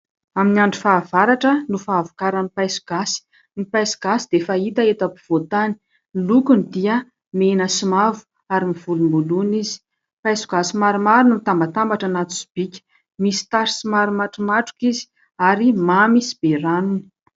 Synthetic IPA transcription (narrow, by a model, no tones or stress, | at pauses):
aminiaɳɖ͡ʐufaːvaɾaʈ͡ʂənufaːvu̥kaɾənipajsu̥ɡ̥asi̥ | nipajsi̥ɡ̥asid̪̥efait̪aet̪apu̥v̥ot̪ani̥ | lukunid̪iə | menəsumavu̥ | aɾimiv̥ulumbulunizi̥ | pajsu̥ɡasimaɾumaɾunumit̪ambat̪ambaʈ͡ʂanat̪u̥si̥b̥ikʲə̥ | misi̥t̪aɾi̥simaɾumaʈ͡ʂumaʈ͡ʂu̥kizi̥ | aɾimamisi̥b̥eɾanuni̥